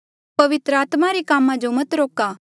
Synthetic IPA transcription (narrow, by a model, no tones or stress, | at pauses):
pɐʋɪt̪ɾəaːt̪maɾikaːmãd͡ʒomɐt̪ɾoːkaː